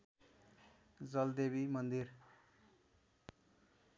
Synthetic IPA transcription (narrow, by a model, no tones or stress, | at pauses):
d͡zʌld̪ebimʌnd̪ir